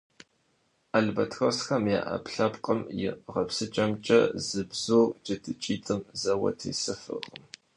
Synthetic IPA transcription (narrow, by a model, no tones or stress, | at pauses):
ʔaɮbɐtʰxɐsxɐmja̰ːʔɐ̰pɬɐpqʼɐmjɪ̰ʁɐpsɨt͡ʃʼɐmt͡ʃʼɐ̰zɨbz̥oːd͡ʒʼɐtʰɨt͡ʃʼiːtʼɨmzɐwɐ̰tʰḭːsɨfɨ̰ʁəm